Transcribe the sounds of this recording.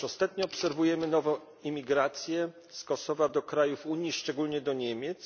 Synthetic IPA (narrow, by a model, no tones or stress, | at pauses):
ɔst̪at̪ɲɔːpsɛɾvujɛmɘnɔvɔ̃ | imʲiɡɾat̪sʲjɛ | skɔsɔvad̪ɔkɾajufuɲjiʂt͡ʂɛɡulɲɛd̪ɔɲɛmʲjɛt̪s